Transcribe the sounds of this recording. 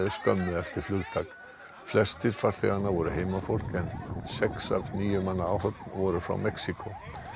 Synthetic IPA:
ðɪskœ̰mːʏðɛft̪ɪɾ̥flʏɣt̪ʰak | flɛst̪ɪɾ̥faɾ̥θɛ̰ɣanːaɾvɔɾʏhejmafowl̥kɛnsɛksa̰vniːjʏmanːaawhœt̪nvɔɾʏfɾa̰wmɛksikʰo

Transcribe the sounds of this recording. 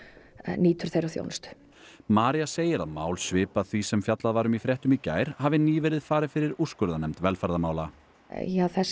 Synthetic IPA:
niːt̪ʏɾ̥θejɾaθjo̰wnst̪ | maːɾiaseːjɪɾa̰ðmaːwlsvɪːpaðθvisɛmfjat̪laðvaːɾʏmifɾjɛht̪ʏmica̰ːjɾ̥havɪniːvɛɾɪðfaːɾɪfɪɾɪɾuskʏɾðanɛmt̪vɛlfaɾðamaːwla | jaθɛ

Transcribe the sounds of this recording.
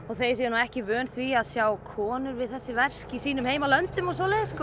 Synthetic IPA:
ɔɣθejsjɛnuɛhcɪvʏːnθviaðsjaːwkʰɔːnʏɾvɪðθɛsːɪvɛr̥cisiːnʏmheːjmalœnt̪ʏmɔsvɔlɛjðɪsːkɔ

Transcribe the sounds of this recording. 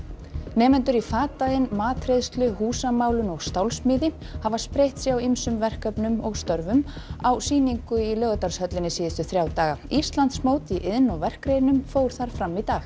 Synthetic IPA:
nɛːmɛnt̪ʏɾifaːt̪ajɪnmaːt̪ʰɾejðst̪lʏhuːsamaːwlʏnɔɣst̪awlsmɪːðɪ | havaspɾejht̪siawimsʏmvɛr̥kœpnʏmɔɣst̪œɾvʏm | awsiːniŋkʏilœːɣat̪aɾ̥shœt̪lɪnɪsiːðɪst̪ʏθɾjaːwt̪aːɣaist̪lant̪smoːwt̪iʔɪðnɔvɛr̥kɾeːjnʏmfoːwɾ̥θaɾ̥fɾamːit̪aːx

